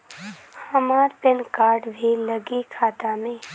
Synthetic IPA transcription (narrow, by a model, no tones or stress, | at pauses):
hɐmaːɾpɪnkaːɾɖʋʱeləɡikʰaːt̪amẽː